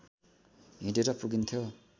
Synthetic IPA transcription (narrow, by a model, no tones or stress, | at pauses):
ɦĩdeɾʌpuɡint̪ʰjo